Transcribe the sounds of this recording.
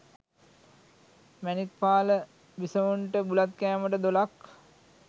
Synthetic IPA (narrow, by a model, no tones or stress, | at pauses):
mænit̪̚paːlə | ʋisəʋuɳʈəbulat̪kæːməʈəd̪olak